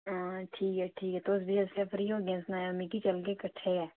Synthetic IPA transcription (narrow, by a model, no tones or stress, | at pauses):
aːʈʰiːkɦɛʈʰiːkɛt̪osbʱiəsefʰɾiːõːɡẽːnsnaːaɾmikit͡ʃəlɡekəʈʰːeɛː